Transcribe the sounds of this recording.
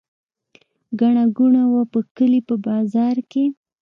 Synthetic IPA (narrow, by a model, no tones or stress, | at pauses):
ɡaɳaɡuɳawapəkəlipəbɑzɑɾke